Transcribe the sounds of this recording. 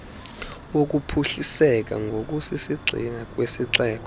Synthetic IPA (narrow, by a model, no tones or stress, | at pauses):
wok̬ʼupʰuɬisɛk̬ʼa̰ŋɡʱok̬ʼusisiɡ͡ǀʱḭnak̬ʼwesiǁɛːk̬ʼɔ